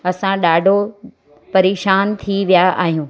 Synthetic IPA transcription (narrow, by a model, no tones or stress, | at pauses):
ɐsãɗaːɖʱo | pɐɾeːʃaːnt̪ʰiʋijaʔa̰ːɦijũː